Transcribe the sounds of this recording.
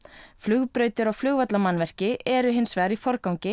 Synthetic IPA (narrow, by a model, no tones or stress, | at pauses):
flʏɣpɾœːɥt̪ʏɾaɣflʏɣvat̪lamanvɛr̥cɪʔɛɾʏɦɪnsvɛːɾifɔɾkawŋcɪ